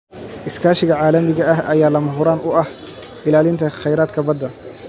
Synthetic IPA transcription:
ʔɪskʰaːʃɪɣɐʕaːlɐmɪɣɐɐɦʔɐjaːlɐmɐɦʊɾaːnʊʔɐh | ʔɪlaːlɪnt̪ʰɐχɛjɾaːd̪kʰɐbɐd̪ɐ

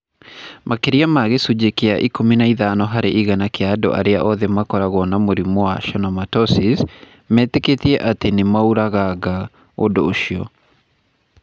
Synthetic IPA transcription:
mʔakeɾiamaɣesud͡ʑekeaʔikominaiðaːnɔɦaɾeʔiɣanakeado̰ʔa̰ɾeaʔɔðemakɔɾaɣɔnamoɾimwaʃɔnɔmatɔsis | mɛːteketiɛʔatenemauɾaɣaɣa | odoːʃiɔ̰

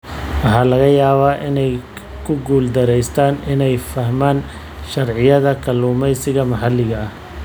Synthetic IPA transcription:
wɑħɑːlɐɣɐjaːβaːʔɪnɛj | kʰʊɡuːld̪ɐɾɛjst̪ʰaːnɪnɛjfɐhmaːn | ʃɐrʕɪjɐðɐkʰɐluːmɛjsɪɣɐmɐħɑlɪɣɐɐh

